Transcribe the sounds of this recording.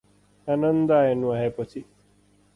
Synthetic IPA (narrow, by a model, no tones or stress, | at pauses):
anənd̪aːenũaɦepət͡ʃʰi